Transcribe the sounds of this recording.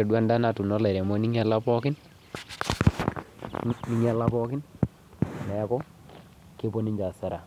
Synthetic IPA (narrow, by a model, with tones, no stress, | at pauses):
e˨dwa˦nda˦na˨tu˨nɔ˦lɛ˨ɾɛ˨mɔ˦ni˦ŋɛ˦la˦pɔ˦kɪ˦n | ni˦ŋɛ˦˨lapɔ˦kɪ˦n | nɛ˨˦kɔ˦ | ke˦po˦ni˦ɲd͡ʒa˨sa˦ɾa˨